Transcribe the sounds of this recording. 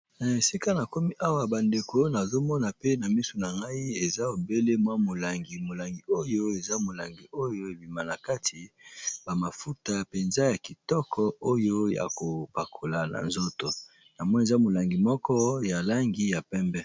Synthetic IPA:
n˨e˨si˦ka˦na˨ko˦mi˦ʔa˦wa˨ba˨nde˨ko˦na˨zo˦mɔ˦na˨pe˦na˨mi˦so˨na˨ŋɡa˦i˦e˨za˦o˨be˦le˦mwa˦mo˨la˨ŋɡi˨mo˨la˨ŋɡi˨o˦jo˦e˨za˦mo˨la˨ŋɡi˨o˦jo˦e˨bi˨ma˨na˨ka˦tʰi˨ba˨ma˨fu˦ta˦pe˨nza˦ja˨ki˨tɔ˦kʰɔ˦o˦jo˦ja̰˨ko˨pa˨kʰo˨la˨na̰˨nzo˦to˨ | na˨mwɔ˦n˦e˨za˦mo˨la˨ŋɡi˨mɔ˦kɔ˦ja˨la˦ŋɡi˦ja˨pɛ˦mbɛ˦

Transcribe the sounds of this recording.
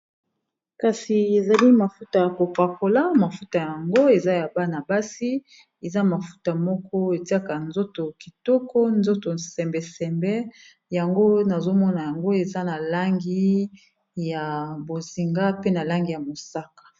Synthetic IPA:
ka˨si˨e˨za˨li˦ma˨fu˦ta˨ja˨ko˨pa˨ko˨la˦ma˨fu˦ta˨ja˨a˨ŋɡo˦e˨za˦ja˨ba˦na˨ba˦si˦ | e˨za˦ma˨fu̥˦ta˨mɔ˦kɔ˦e˨ti˦a˦ka˨nzo˦to˨ki˨tɔ˦kɔ˦nzo˦to˨sɛ˨mbɛ˨sɛ˨mbɛ˦ | ja˨ŋɡo˦na˨zo˦mɔ˦na˨ja˨ŋɡo˦e˨za˦na˨la˦ŋɡi˦ | ja˨bo˨zi˨ŋɡa˦pe˦na˨la˦ŋɡi˦ja˨mo˨sa˦kḁ˨

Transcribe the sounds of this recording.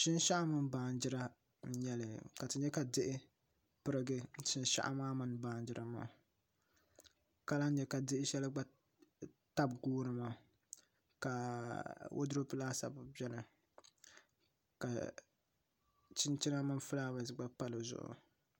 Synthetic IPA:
ʃɪ˦n˦ʃa˦ʔa˦mɨ˦n˦baː˨n˦d͡ʒɪ˦ɾa˦ | n̩˦ɲɛ˦lɨ˨ka˨tɨ˨ɲɛ˦ka˨dɪ˦ʔɪ˦ | pɨ˦ɾɨ˦ɡɨ˦ʃɪ˦n˦ʃa̰˦ʔa̰˦maː˦mɨ˦nbaː˨˦nd͡ʒɪ˦ɾʔa˨ma̰ː˨ | ka˦la˦ɲɛ˦ka˨dɪ˦ʔɪ˦ʃɛ˦lɨ˦ɡ͡ba˦ | ta˦b̚ɡuː˦nɨ˨ma˨ | ka˨ | wʔo̰˦dʊ˦ɾo˦pɨ˦laː˦sa̰˨bɨ˨bɛ˦lɨ˨ | ka̰˨ | t͡ʃɪ˦nt͡ʃi˦na˦mɨ˦nfɨ˦laː˦ba˨zɨ˨ɡ͡ba˦pa˦lɨ˨zʊ̰˨ʔʊ̰˨

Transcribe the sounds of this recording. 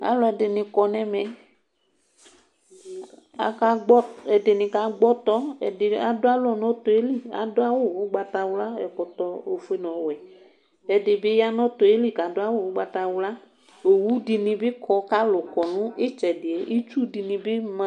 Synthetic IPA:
a̰˨˦lɔ˦ɛ˨de˨nĩ˨kɔ˨nɛ̃˨mɛ˨ | a̰˨ka˨ɡ͡bɔ˦ɛ˨de˨nĩ˨ka˨˦ɡ͡bɔ˦t̪ɔ˦ɛ˨a˨dʊ˦a˦lɔ˦nɔ̃˦t̪o˨e˦li˦a̰˨dʊ˦a˦wo˦˨wo˦ɡ͡ba˦t̪a˨wla˦ɛ̰˨kɔ˨t̪ɔ˦o˨fe˦nɔ̃˨wɛ˨ | ɛ˨dɪ˨bɪ˦ja˦nɔ̃˦t̪o˨e˦li˦˨ka˨dʊ˦a˦wo˦˨wo˦ɡ͡ba˨t̪a˨wla˦ | o˨wu˦di˨nĩ˨bɪ˦kɔ˨ka˦lʊ˨kɔ˨nũ˦e˦t͡ʃɛ˨dɪ˨e˨˦ʔi˦t͡ʃu˦di˨nĩ˨bɪ˦mã˨˦

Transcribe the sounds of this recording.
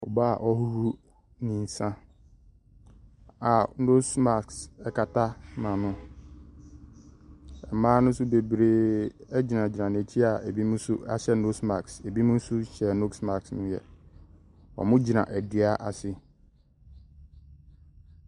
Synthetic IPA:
ɔ̰˨ba˦˨ʔɔ˦hu˦hu˦ | nĩ˨n̩˨sã˦ | a˨no˦sma˨ksɛ˨kʰa˨tʰa˦mã˨nʊ̃˦ | ɛ˨mãː˦nʊ̃˦sʊ˦be˨bɾeː˨ɛ˦d͡ʑi˨nã˨d͡ʑi˨nã˨n˨æ˨t͡ɕʰi˦a˨æ˨bi˦mʊ̃˦sʊ˦ʔa̰˦ɕɛ˦no˦sma˨kse˨bi˦mʊ̃˦n̩˦sʊ˦ɕɛ˨no˦ksma˨ksnʊ̃˦jɛ̰˨ | ɔ̰˨mʊ̃˦d͡ʑi˨nã̰˨ʔɛ˨dɪ˨˦a˦ʔa˨sɪ˦

